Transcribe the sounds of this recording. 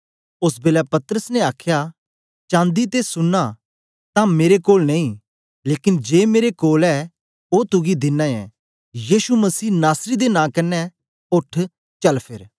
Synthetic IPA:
ʊsbeːlɛpɐt̪əɾəsnɛaːkʰja | t͡ʃãːnd̪it̪esʊnːa | t̪ãmeːɾekoːlnẽĩː | leːkɪnd͡ʒeːmeːɾekoːlɛ | ot̪ʊɡid̪ɪnːãɛ̰̃ | jiːsumɐsiːnaːsɾid̪enãːkɐnːɛ | ʊʈʰ | t͡ʃɐlpʰɪɾ

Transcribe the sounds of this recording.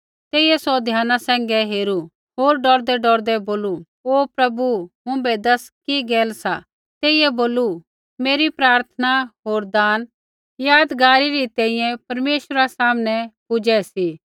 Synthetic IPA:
t̪eːiɛsɔd̪ʱjaːnasɛ̃ːŋɡɛɦeːɾu | ɦoːɾɖɔɾd̪ɛɖɔɾd̪ɛboːlu | oːpɾɐbumʊ̃bɛd̪ɐskiɡeːlsa | t̪eːɪjɛboːlu | meːɾipɾaːɾt̪ʰənaɦoːɾd̪aːn | jaːd̪ɡaːɾiɾit̪ɛ̃ːɪ̃jɛ̃pɐɾmeːʃɾasaːmnɛpʊd͡ʒɛsi

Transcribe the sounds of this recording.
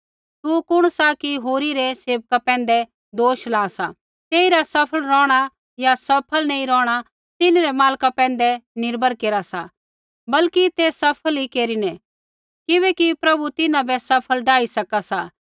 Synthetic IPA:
t̪ukʊɽ̃sakiɦoːɾiɾɛseːʋkapɛ̃ːnd̪ɛ | d̪oːʃlaːsa̰ | t̪eːiɾasɐpʰəɭɾɔ̃ːɽ̃a | jasɐpʰəlnɐ̃ĩɾɔːɽ̃a | t̪ɪnɾɛmaːlkapɛ̃ːnd̪ɛnɪɾbʱəɾkeːɾasa | bɐlkit̪eːsɐpʰəlikeːɾinɛ | kɪβɛkipɾɐbut̪ɪnabɛsɐpʰəlɖaːisɐkasa

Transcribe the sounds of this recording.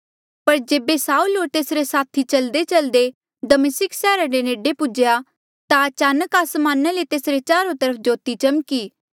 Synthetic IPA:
pɐɾd͡ʒeːbesaːuːlɦoːɾt̪eːsɾesaːt̪ʰit͡ʃɐld̪et͡ʃɐld̪e | d̪ɐmɪsɪksɛːɾãɾeneːɖepʊd͡ʒja | t̪aɐt͡ʃaːnəkaːsmãːnalet̪eːsɾet͡ʃaːɾõt̪ɐɾəp̚ʰd͡ʒoːt̪it͡ʃɐmkiː

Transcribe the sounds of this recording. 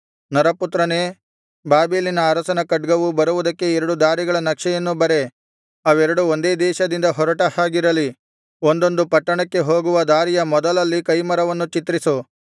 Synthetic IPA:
nɐɾɐput̪ɾɐne̞ː | baːbeːlinɐːɾɐsɐnɐkɐɖɡɐʋubɐɾuʋud̪ɐkːe̞ɛɾɐɽud̪aːɾiɡɐɭɐnɐkʂɛjɐnːubɐɾe̞ | ɐʋɛɾɐɽuond̪e̞ːd̪ɛːʃɐd̪ind̪ɐɦɔɾɐʈɐhaːɡiɾɐli | o̞nd̪o̞nd̪upɐʈːɐɳɐkːe̞ɦo̞ːɡuʋɐd̪aːɾijɐmɔd̪ɐlɐlːikɐjmɐɾɐʋɐnːut͡ʃit̪ɾisu

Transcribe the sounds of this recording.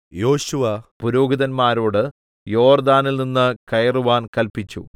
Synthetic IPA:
jo̞ːɕuʋɐpuɾo̞ːɡiðɐnmaːɾoːɽɨ | jo̞ːrd̪aːnilninːɨkɐjruʋaːnkɐlpit͡ɕːṵ

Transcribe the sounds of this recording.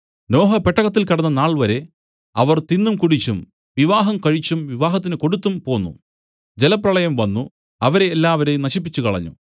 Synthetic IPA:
no̞ːɦɐpeʈːɐɣɐt̪̬ːilkɐɽɐnːɐnaːɭʋɐɾe̞ | ɐʋɐrt̪inːumkuɽit͡ɕːum | ʋiʋaːɦɐmkɐɻit͡ɕːumʋiʋaːɦɐt̪ːinɨko̞ɽut̪ːumpo̞ːnːṵ | d͡ʑelɐprɐɭɐjɐmʋɐnːu | ɐʋɐɾe̞ːlːaːʋɐɾejmnɐɕipːit͡ɕːukɐɭɐ̰ɲːṵ

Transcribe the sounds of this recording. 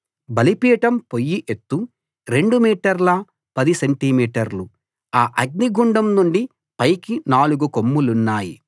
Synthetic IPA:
bɐlipiːɐʈɐmpo̞jːiʔet̪ːu | ɾe̞ɳɖumiːʈɐɾlɐ | pɐd̪iseɳʈimiːʈɐɾlu | aːʔɐɡ̚niɡuɳɖɐmnuɳɖi | pɐjkinaːluɡukomːulunːaːjḭ

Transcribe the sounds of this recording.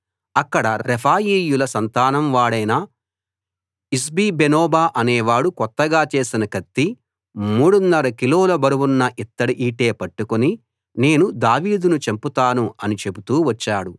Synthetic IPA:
ɐkːɐɽɐɾepʰaːjiːjulɐsɐnt̪aːnɐmʋaːɽɐjnɐ | is̬biːbenoːbaːʔɐneːʋaːɽukɔt̪ːɐɡaːt͡ʃe̞ːsinɐkɐt̪ːi | muːɽunːɐɾɐkiloːlɐbɐɾuwunːɐʔit̪ːɐɽiʔiːʈe̞ːpɐʈːukoni | ne̞ːnud̪aːʋiːd̪unut͡ʃemput̪aːnuɐnit͡ʃe̞but̪uːʋɐt͡ʃːaːɽu

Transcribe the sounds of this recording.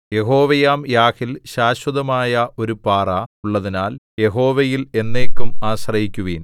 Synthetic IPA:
je̞ɦo̞ːʋɐjaːmjaːkilɕaːɕwɐðɐmaːjɐʔo̞ɾupaːrɐuɭːɐðinaːlje̞ɦo̞ːʋɐjile̞nːe̞ːkːumaːɕrɐjikʲːuʋiːn

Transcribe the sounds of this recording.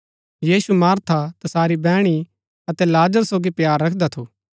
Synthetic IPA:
jiːsumaːɾt̪ʰat̪ɐsaːɾibɛːɽ̃i | ɐt̪ɛlaːd͡ʒəɾsoːɡipjaːɾːɐkʰd̪at̪ʰoː

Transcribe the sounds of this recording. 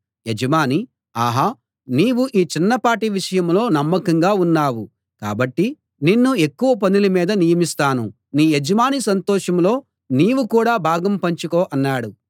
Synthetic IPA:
jed͡ʒɐmaːni | aːɦaː | niːwuʔiːt͡ʃinːɐpaːʈiʋiʂɐjɐmlo̞ːnɐmːɐkɐŋɡaːunːaːwu | ka̰ːbɐʈːi | ninːue̞kːuʋɐp̬ɐnilɐmiːd̪ɐnijɐmist̪aːnu | niːjed͡ʒɐmaːnisɐnt̪ɔːʂɐmlo̞ː | niːʋukuːɽaːbʱaːɡɐmpɐɲt͡ʃukoːʔɐnːaːɽu

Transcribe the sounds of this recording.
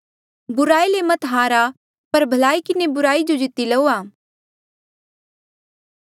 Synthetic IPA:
bʊɾaːilemɐt̪ɦaːɾa | pɐɾbʱɐlaːikɪnebʊɾaːid͡ʒod͡ʒɪt̪ilɐoːaː

